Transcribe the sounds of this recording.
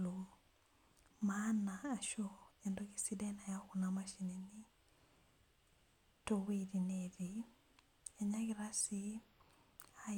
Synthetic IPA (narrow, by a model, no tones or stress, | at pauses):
lo | manaːʃɔɛndokisidɛnajakunamaʃinini | towidinedi | aɲakiɾasi | a